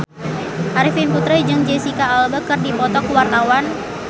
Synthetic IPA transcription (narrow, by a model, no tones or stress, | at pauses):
ʔaɾifinput̪ɾaid͡ʒɨŋd͡ʒɛsikaːlbakɨrdipɔt̪ɔkuwart̪awan